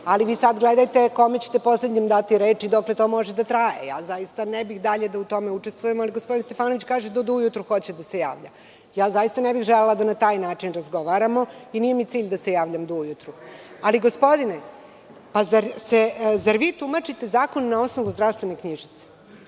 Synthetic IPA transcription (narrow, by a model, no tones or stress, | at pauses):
aliʋiːsad̪ɡled̪ajt̪e̞ko̞met͡ɕe̥t̪e̞po̞sled̪ɲemd̪at̪iɾeːt͡ʃid̪okle̞t̪o̞ːmo̞ʒed̪at̪ɾajḛja̰ːzajist̪anebixd̪aʎe̞d̪aut̪o̞meuʈ͡ʂe̞st̪vʋujemaliɡo̞spo̞d̪inst̪e̞faːno̞ʋit͡ɕkaːʒed̪ud̪uujut̪ɾuxo̞t͡ɕed̪aseja̰ːʋʎa̰ | jaːzajist̪anebixʒelelad̪anat̪aːjnaːt͡ʂinɾazɡo̞ʋaɾamo̞inijemit̪iːʎd̪ase̞jaːʋʎamd̪uujut̪ɾu | aliɡospo̞d̪ine | pazaɾsezaɾʋiːt̪umat͡ʂit̪e̞zaːko̞nnao̞sno̞ʋuzd̪ɾaʋst̪ʋe̞nekɲiʒit̪se̥